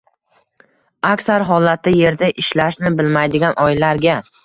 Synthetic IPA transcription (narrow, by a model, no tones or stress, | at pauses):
akʲsaɾɦɒlat̪ʰːɪje̞ɾd̪aʔɪʃlaʃnɪbɪlmajd̪ɪɡʲanʔɒɪlaɾɡʲa